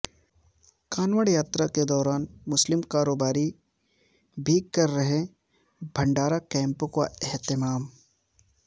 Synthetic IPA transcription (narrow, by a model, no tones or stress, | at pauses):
kaːnʋəɽjaːt̪ɾaked̪ɔːɾaːnmʊslɪmkaːɾoːbaːɾi | bʱiːkɐɾːɐɦẽ | bʱɐ̃ɳɖaːɾakɛ̃ːmpõka̰ɛɦt̪ɪmaːm